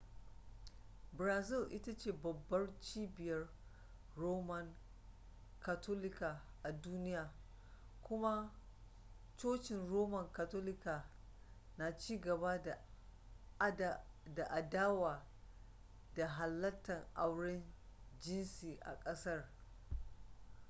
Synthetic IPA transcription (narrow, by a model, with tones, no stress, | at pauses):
bɾaː˨zɪ˦˨lʔɪ˦ta˦t͡ʃeː˨bɐ˨bːɐ˦rt͡ʃiː˦bɪ˨jɐ˦rː | oː˦mɐ˨ŋ | ka˨tʰo˦lɪ˦ka˨ | ʔa˨duː˦nɪ˦jaː˨ | kʷʊ˦ma˦ | t͡ʃoː˦t͡ʃɪ˨nɾoː˦mɐ˨ŋka˨toː˦lɪ˦kaː˨ | na˨t͡ʃiː˦ɡɐ˨ba˦˨ | da˨ʔa˨daː˦waː˨ | da˨ɦa˨lːɐ˦tːɐ˨ŋʔa˦wɽɪ˦nd͡ʒɪ˦nsiː˨ʔa̰˨kʼɐ˦sɐ˦r